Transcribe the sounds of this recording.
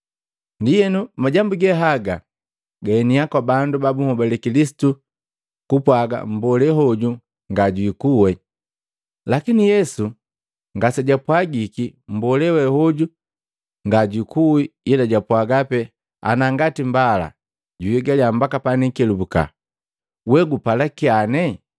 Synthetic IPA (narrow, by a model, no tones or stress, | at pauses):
ndijɛnumaɟambuɡɛɦaɡa | ɡaɛniakwabandubabuŋɔbɛlɛkilisi̥tu | kupwaɡa̰mbɔlɛɦɔɟu | ŋɡaɟwikuwɛ | lakinijɛsu | ŋɡasɛɟapwaɡikim̩bɔlɛwɛhɔɟu | ŋɡaɟwikuwiilaɟapwaɡapɛ | a̰naŋɡatimbala̰ | ɟujiɡaliambakapanikɛlubuka̰ | wɛɡupalakianɛ